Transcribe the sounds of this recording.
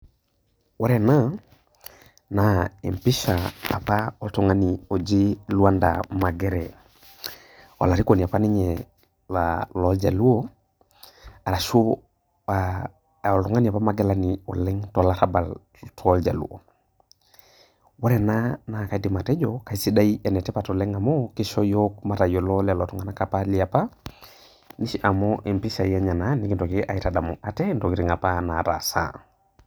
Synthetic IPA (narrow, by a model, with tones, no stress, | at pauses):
wa˦ɾɛ˨na˦ | naḛ˨mpi˦ʃa̰ː˨paotɔ˨ŋa˦nio˨d͡ʒi˦lu˦a˦nda̰ma˨ɡe˦ɾɛ | o̰˨la˨ɾi˦ko˨ni˨a˨pa˦ni˦ɲɛ | lalɔld͡ʒa̰˨lu˦o˦ | a˨ɾa˨ʃu˦ | a | o˨ltɔ˨ŋa˦ni˨a˨pa˦maɡe˦laniɔ̰˨lɛ˦ŋtɔ˨la˦ɾabal | tʰɔld͡ʒa˨lṵ˦o̰ | wa˦ɾɛnanaka˨di˨ma˨tɛ˦d͡ʒoka˨si˨da˦iɛ˨nɛ˨tɛ˦patolɛ˦ŋa˨mokiʃo˦jok̚ma˦ɾa˨jo˨lɔla˨lotɔ˦ŋɡanakapali˨apa | ni˦ʃi˦ʔa˨moʔi˨mpi˦sa˨jaɲa˨nani˦ki˨to˨kiʔa˨itada˨mo̰ʔa˨tɛ˦nto˨ki˨ɾiŋa˨pa˦na˨ɾa̰˨sa̰